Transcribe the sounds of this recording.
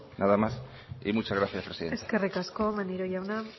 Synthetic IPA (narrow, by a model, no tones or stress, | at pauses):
naðamas | ḭmut͡ʃazɣɾaθjaspɾesiðeeske̞rikasko̞maniɾoʝawna